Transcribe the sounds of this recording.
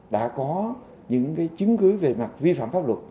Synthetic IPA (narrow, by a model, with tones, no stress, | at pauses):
ɗa̰ː˧˥kɔ˨˦ | ɲɨ̰˧˥ŋkaː˨˦jt͡ɕɨ˨˦ŋkɨ˨˦ve˨˩ma˨˩t̚vi˧fa̰ː˧˨mfaː˦˥p̚lə˨˩t̚